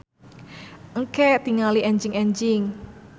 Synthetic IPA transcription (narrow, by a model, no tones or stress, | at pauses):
ʔŋkɛt̪iŋaliʔɛɲd͡ʒɪŋɛɲd͡ʒɪŋ